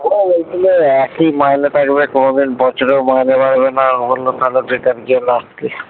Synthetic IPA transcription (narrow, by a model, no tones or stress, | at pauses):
oejd̪ileɛkimajnet̪ʰakbekonod̪inbɔt͡ɕʰoɾewmajnebaɾbenaobolːot̪ʰaloʈɾiʈaɾkiolast̪e